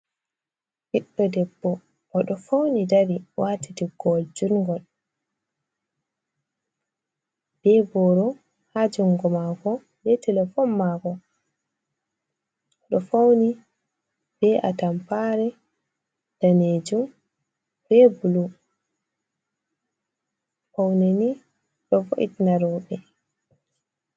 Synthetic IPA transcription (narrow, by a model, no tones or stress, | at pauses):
hɛɗːɔdɛbːɔ | ʔːɗɔfawnidaɾiwaːtitiɡɔld͡ʒunɡɔl | b̥ɛbɔɾɔ | had͡ʒuŋɡɔmaɡɔ | bɛtʰɛlɛfɔnmaɡɔ | ɗɔfawni | b̥ɛʔa̰tampaɾɛ | d̥aned͡ʒum | b̥ɛbulu | fawneni | ɗɔvo̰ʔḭtnaɾɔːɓɛ